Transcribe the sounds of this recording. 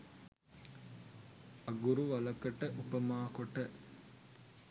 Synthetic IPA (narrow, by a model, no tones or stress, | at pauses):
ɐɡuɾuʋɐlɐkɐʈəʔupɐmaːkoʈɐ